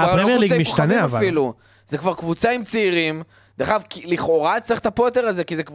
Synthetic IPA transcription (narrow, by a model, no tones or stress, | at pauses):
aʁemjliɡaimiʃtaneavaafiilu | z̥ekvaʁkvut͡saimt͡siiʁim | d̪eχavkiliχo̞ʁat͡saʁiχt̪apojot̪̬e̞ʁaze̞kizek